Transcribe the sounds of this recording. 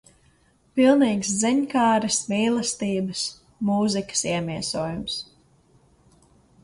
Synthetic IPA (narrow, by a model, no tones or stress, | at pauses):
pilˠniːkszɛɲkaːɾɐsmiːlˠɐst̪iːbɐs | muːzikə̥siɛmiɛsuːjums